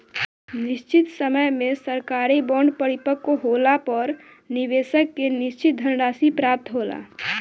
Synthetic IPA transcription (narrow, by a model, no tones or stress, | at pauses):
nɪʃt͡ʃɪt̪səməjmẽsəɾkaːɾibɔ̃ːɳɖpəɽɪpəkːoɦoːlapɔɾ | nɪʋeːʃəkːenɪʃt͡ʃɪt̪̚d̪ʱənɾaːsipɾaːp̚t̪ɦoːla̰ː